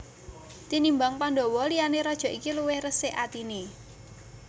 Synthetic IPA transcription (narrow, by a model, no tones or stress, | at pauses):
t̪inimbaŋpanɖɔ̤wɔlijaneɾɔd̥ʒ̥ɔ̤ʔikiluwɪhrəseʔat̪ine